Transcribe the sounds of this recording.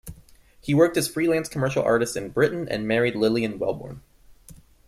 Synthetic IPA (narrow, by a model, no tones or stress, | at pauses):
hiwɜ˞k̚tɨz̥fɹilæ̃nskʰəmɜ˞ʃl̩ˠɑ̰ɹɾɨstsɨ̃nbɹɪʔn̩ɨ̰̃nmɛɹidˡlɪlˠiɨ̃nwɛ̰lˠbɔ̰ɹn